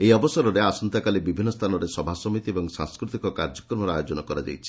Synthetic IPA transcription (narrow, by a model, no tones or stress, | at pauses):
ejɔbɔsɔɾɔɾeasɔnt̪akalibibʱinːɔst̪ʰanɔɾesɔbʱasɔmit̪iebɔŋsa̰ŋskɾut̪ikɔkaɾd͡ʒɔkɾɔmɔɾajod͡ʒɔnɔkɔɾad͡ʒa̰jt͡ʃʰi̥